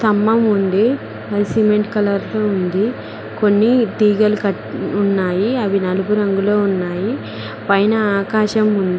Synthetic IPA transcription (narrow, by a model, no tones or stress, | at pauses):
t̪ɐmːɐmund̪i | ɐðisimeɳʈkɐlɐɾloːund̪i | konːid̪iːɡɐlukɐʈunːaːjiɐʋinɐluɡuɾɐŋɡuloːunːaːji | pɐjnɐaːkaːʃɐmund̪